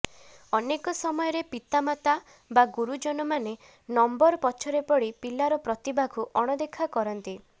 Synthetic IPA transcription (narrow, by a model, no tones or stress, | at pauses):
ɔnekɔsɔmɔjɔɾepit̪amat̪a | baɡuɾud͡ʒɔnɔmane | nɔmbɔɾpɔt͡ʃʰɔɾepɔɽipilaɾɔpɾɔt̪ibaɡʱuʔɔɽ̃ɔd̪ekʰakɔɾɔnt̪i